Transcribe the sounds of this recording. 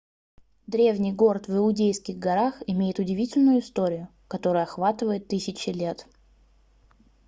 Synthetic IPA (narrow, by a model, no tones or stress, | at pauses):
d̪ɾʲe̞vnʲɪjɡo̞ɾt̪vɪlˠʊdʲejskʲɪɣɡɐɾaxɪmʲejɪt̪ʊdʲɪvʲitʲɪlʲnʊjʊɪst̪o̞ɾʲɪjʊ | kɐt̪o̞ɾʊjʊɐxvat̪ɨvəjɪt̪ːɨsʲɪt͡ɕɪlʲe̞t̪